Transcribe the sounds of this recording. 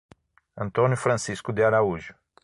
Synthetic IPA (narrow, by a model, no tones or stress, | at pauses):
ɐ̃nt̪õnjʊfɾɐ̃siskʊd̪eaɾauʒʊ